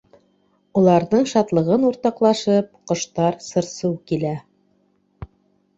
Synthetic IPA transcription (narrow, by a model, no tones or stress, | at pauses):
ŭlˠɑɾnɤɴʃɑt̪lˠɤ̆ʁɤnuɾt̪ɑqlˠɑʃɤp̚qŏʃt̪ɑɾsɤ̆ɾsɤwkilæ